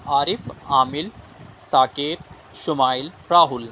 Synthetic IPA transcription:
aːɾifaːmil | saːkeːt̪̚ | ʃumaːil | ɾaːɦul

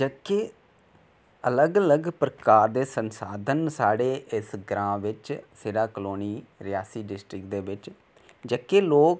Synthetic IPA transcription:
d͡ʒəkːe | ələɡələɡpɾəkaːɾd̪eːsənsaːd̪ʱənsaːɽeːʔɪsɡɾãːʋɪt͡ʃseːɖaːkəloːniːɾɪjaːsiːɖɪsʈɾɪkd̪eːʋɪt͡ʃ | d͡ʒəkːeːloːk

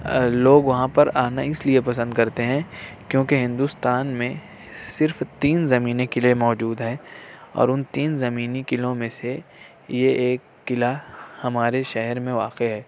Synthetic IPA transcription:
loːɡʋɐɦãpɐɾaːnaɪsliepɐsə̃nd̪kɐɾt̪eɦɛ̃kjõːkeɦɪ̃nd̪ʊst̪aːnmẽ | sɪɾft̪iːnzɐmiːnekɪlemɔːd͡ʒuːd̪ɦɛ̃ːɔ̰ːɾʊnt̪iːnzɐmiːnikɪlõmẽse | jeeːkːɪlahɐmaːɾeʃɛɦɛɾmẽʋaːqeɦɛː

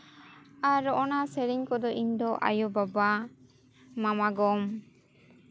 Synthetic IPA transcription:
aɾɔʔɔnasɛɾiɲkɔd̪ɔʔiɲd̪ɔʔa̰jɔbaba | mamaɡɔm

